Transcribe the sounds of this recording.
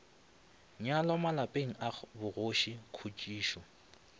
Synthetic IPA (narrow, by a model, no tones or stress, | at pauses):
ɲalɔmalapʼeŋ̩abʊɣoʃikʰut͡ʃʼiːʃɔ